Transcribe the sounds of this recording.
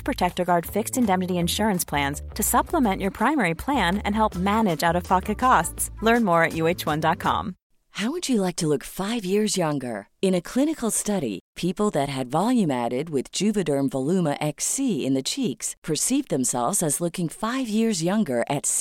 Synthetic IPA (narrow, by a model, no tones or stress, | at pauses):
pʰɹ̥ɨtʰɛk̚tə˞ɡɑɹd̥fɪkstɨ̃ndɛ̃mnɨɾiɨ̃nʃʊɹɨ̃nspʰl̥æ̃nz̥tʰɨsʌpʰləmɛ̃nʔə˞pʰɹ̥ãɪ̃mɛɹipʰl̥æ̃nɨ̰̃nɦɛlˠp̚mænɨd͡ʒaʊɾʌv̥pʰɑkɨkʰɑstslɜ̃˞nmɔɹɨʔjʉeɪt͡ʃwʌ̃ndɑt̚kʰɑ̰̃m | haʊwɨd͡ʒɨlaɪk̚tʰəlʊkfaɪvjɪɹzjʌ̃ŋɡə̰˞ɨ̃ñɨkʰl̥ɪ̃ñɨkl̩ˠstʌɾḭpʰipl̩ˠðɨt̚ɦɨdvɑlˠjʉ̃mæ̰ɾɪd̚wɪðd͡ʒʉvɨdə̃˞ɱvəlʉməʔɛksiɪ̰̃nðɨt͡ʃʰikspʰə˞sivðɨ̃msɛ̰lˠvzɨzlʊkɪ̃ŋfaɪvjɪɹzjʌ̃ŋɡə˞ʔɨts